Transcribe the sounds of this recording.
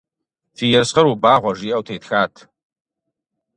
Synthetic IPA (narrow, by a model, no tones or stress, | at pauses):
fiːjɛrsχɐɾubaːʁʷɔʒiːʔɐwtʰeːtxaːtʰ